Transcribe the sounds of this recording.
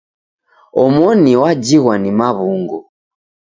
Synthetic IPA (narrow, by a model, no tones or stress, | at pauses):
ɔmɔniwad͡ʒiɣwanimaβuŋɡɔ